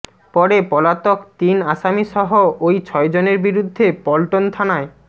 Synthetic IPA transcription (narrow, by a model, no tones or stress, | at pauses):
pɔɾepɔlat̪okt̪inaʃamiʃɔɦoojt͡ɕʰɔed͡ʑoneɾbiɾud̪ʱːepɔlʈont̪ʰanae